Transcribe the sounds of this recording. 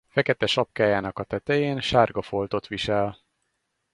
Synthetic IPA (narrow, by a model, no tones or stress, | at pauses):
fɛkɛt̪ɛʃɒp̚kaːjaːnɒkɒt̪ɛt̪ɛjeːnʃaːrɡɒfo̞lt̪o̞t̪ʋiʃɛl